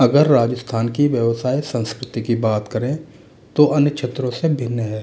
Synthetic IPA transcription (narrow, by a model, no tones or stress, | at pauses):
ɐɡəɾːaːd͡ʒəst̪ʰaːnkiʋjəʋsaːisə̃nskɾɪt̪ikibaːt̪kəɾẽ | t̪oʔɐnjəkʃʰet̪ɾõsebʱɪnːɦɛː